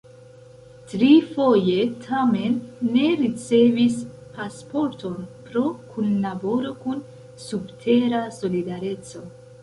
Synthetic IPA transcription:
tɾifo̞je̞tʰame̞nːe̞ɾit͡se̞vis | paspo̞ɾto̞npɾo̞kʰunlabo̞ɾo̞kun | subtʰe̞ɾaso̞lidaɾe̞t͡so̞

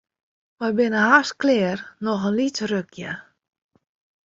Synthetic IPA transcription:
ʋɛjbɪnəɦasklɪərnɔxənlitrøkʰjə

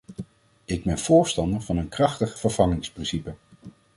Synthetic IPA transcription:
ɪɡ̚bɛnv̥ʊːɹstɑndəɹvɑnənkrɑχtəχfəɹv̥ɑŋɪŋsprɪnsipə

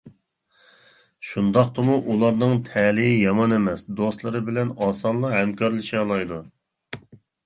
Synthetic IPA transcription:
ʃund̪ɑqt̪ɨmuʔulˠɑɾnɨŋt̪ʰɛlɪjɪjɑmɑnemɛsd̪ost̪lˠɨɾɨbɪlɛnɑːsɑnlˠɑhɛmkʰɑɾlˠɨʃiɑlˠɑjd̪u

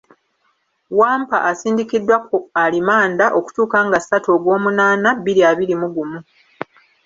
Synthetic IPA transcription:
waːmpa̰ʔasiːndikidːwakoalimaːndaʔo̞ku̥tuːkaːŋɡasatoːɡwo̞ːmunaːnabiɾiaβiɾimuɡumu

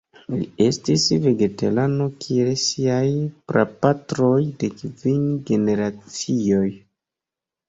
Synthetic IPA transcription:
lḭe̞stisve̞ɡe̞tḛlano̞kʰielsiajpɾa̰patɾo̞jde̞kvinɡe̞ne̞ɾat͡sio̞j

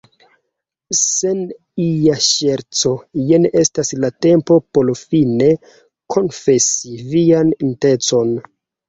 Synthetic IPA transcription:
sen | ijaʃeɾt͡so̞jenʔestaslate̞mpo̞po̞ɾfine̞ | kʰo̞nfe̞sivianinte̞t͡so̞n

